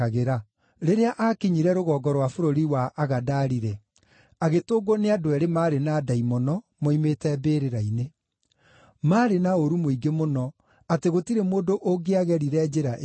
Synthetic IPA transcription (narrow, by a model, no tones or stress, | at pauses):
aɣeɾa | ɾeɾeaʔakeɲiɾɛɾoɣɔːɡɔɾwafoɾoɾiwaʔːɣadaːɾiɾɛ | aɣetoːɡoneadoɛɾemaːɾenaːdaimɔnɔ | mɔimetɛbeːɾeɾaine | maːɾenaoɾumoiɡemonɔ | ateɣotiɾemoːdoʔoɡeaɣɛɾiɾɛd͡ʒeɾaʔ